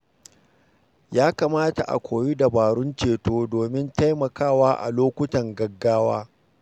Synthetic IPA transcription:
jaː˦kaː˨maː˦ta̰˨ʔa̰˨kʷoː˨ji˦da˨baː˨ɽʊ˦nt͡ʃeː˨toː˦doː˨mɪ˦nta˦jmɐ˨kaː˦˨waː˦ʔa̰˨loː˦kʷʊ˦tɐ˨ŋɡɐ˨ɡːaː˦waː˦

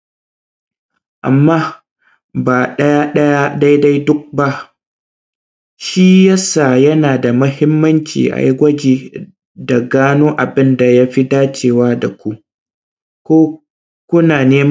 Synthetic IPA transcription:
ʔa̰˨mːaː˦ | baː˨ɗɐ˦ja˦ɗɐ˦ja˦da˦jda˦jdʊ˦k̚ba˦ʔ | ʃiː˦jɐ˦saː˨jɐ˦naː˨da˨mʊ˦hɪ˦mːɐ˦nt͡ʃḭː˨ʔa̰˨jɡʷɐ˦d͡ʒiː˨ | da˨ɡaː˦noː˦ʔa˨bɪ˦nda˨ja˦ɸi˦daː˦t͡ʃeː˨waː˦da˨kʷu˦ʔ | kʷoː˦ | kʷʊ˦naː˨neː˦m

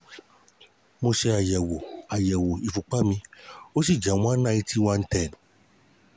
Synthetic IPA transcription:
mo˧ʃe˧a˨jɛ˨wo˨a˨jɛ˨wo˨i˨fu˨k͡pa˦mĩ˧o˦si˦˨d͡ʒa˨w̃ã˦na˦˧i˦ti˦wã˧n̩˦tɛ˦˨n

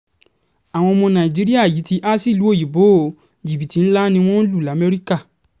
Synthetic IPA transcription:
a˨w̃ɔ̃˧mɔ̃˧nã˨i˨d͡ʒi˨˦ɾi˦a˦˨ji˨˦ti˧ʔa˦si˦˨lu˦o˦˨ji˨bo˨˦˨ | d͡ʒi˨bi˨ti˨˦n̩˦la˦nĩ˧w̃ɔ̃˦n̩˦lu˦˨la˨˦mɛ˦ɾi˦ka˦˨

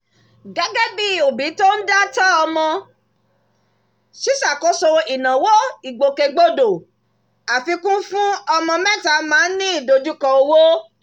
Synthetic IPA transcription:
ɡa˦ɡa˦bi˦˨o˨bi˨˦to˦n̩˦da˦tɔ˦ɔ˧mɔ̃˧ | ʃi˦sa˦˨ko˦so˧i˨nã˨wo˦i˨ɡ͡bo˨ke˧ɡ͡bo˦do˨ | a˨fi˧kũ˦fũ˦ɔ˧mɔ̃˧mɛ̃˦ta˧mãː˨˦nĩ˦i˦˨do˧d͡ʒu˦kɔ˧o˧wo˦

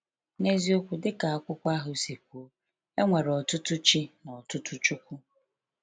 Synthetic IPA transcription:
ne˦zi˦o˦kʷu˨dɪ˦ka˨a˦kʷʊ˦kʷa˦ɦʊ˨se˨kʷu˨o˦ | e˦ŋʷe˨ɾɔ˨tʊ˦tʊ˦t͡ʃi˦nɔ˨tʊ˦tʊ˦t͡ʃu˦kʷu˦

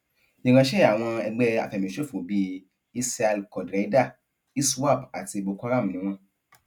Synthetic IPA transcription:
i˨ɡã˨ʃe˦˨a˨w̃ɔ̃˧ɛ˧ɡ͡bɛ˦˧a̰˨fɛ˨mĩ˨ʃo˦˨fũ˨bi˧ | i˦sa˧lkɔ˨dɾa˨˦da˦˨ | i˦swa˦˨pa˨ti˧bo˧ku˦a˦ɾa˦˨m̩˨ĩ˨˦w̃ɔ̃˧

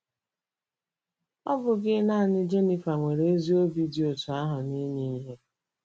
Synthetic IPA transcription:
ɔ˦bʊ˨ɡɪ˦na˦˨nɪ˦d͡ʒe˦ni˨fa˨ŋʷe˨ɾe˨e˦zi˦o˦bi˦di˦o˨tʊ˨a˦ɦʊ˨ni˦ni˦i˦ɦe˦

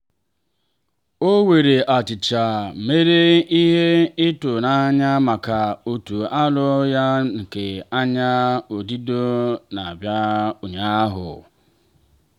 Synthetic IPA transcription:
o˦we˨ɾe˨ʔa˨t͡ʃɪ˨t͡ʃa˨me˦ɾe˦i˦ɦe˦ɪ˦tʊ˨na˦ɲa˦ma˨ka˨u˨tu˨a˦lʊ˦ja˦ŋ̩˨ke˨a˦ɲa˦o˨di˦do˦na˨a˨bja˦u˨ɲa˦a˦ɦʊ̰˨

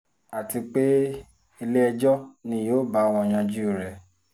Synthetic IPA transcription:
a˨ti˧k͡pe˦ | e˧le˦ɛ˧d͡ʒɔ˦nĩ˧˦joː˦ba˨˦˧w̃ɔ̃˧˨j̃ã˧d͡ʒu˦˨ɾɛ˨

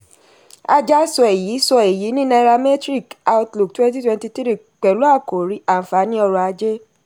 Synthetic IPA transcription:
a˧d͡ʒa˦sɔ˧e˨ji˨˦sɔ˧e˨ji˨˦nĩ˦na˧ɾa˧mɛ˦tɾi˦˨ka˧u˧tlu˨k̚twɛ̃˦n˦t̬i˦twɛ̃˧nti˧tɾi˦˨ | k͡pɛ˨lu˦a˦˨ko˨ɾi˨˦a˨fa˨˦nĩ˦ɔ˧ɾɔ˧a˧d͡ʒe˦

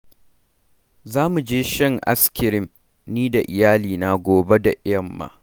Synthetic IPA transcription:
zaː˦mu˨d͡ʒeː˦ʃɛ˦ŋʔa̰˦skʲɪ˨ɾɪ˦m | niː˦da˨ʔɪ˨jaː˦liː˨na˦ɡʷoː˨be˦da˨ʔɪ˦jɐ˦˨mːa̰ː˦

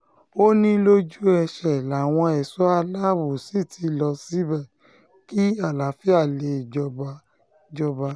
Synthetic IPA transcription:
o˦nĩ˦lo˦d͡ʒu˦ɛ˧ʃɛ˨la˨w̃ɔ̃˧ɛ˨sɔ˨˦a˧la˦bu˨si˦˨tʰi˨˧lɔ˧si˦bɛ˦˨ | ki˦a˦˨la˨˦fi˦a˦˨le˧i˨d͡ʒɔ˧ba˧ | d͡ʒɔ˧ba˧

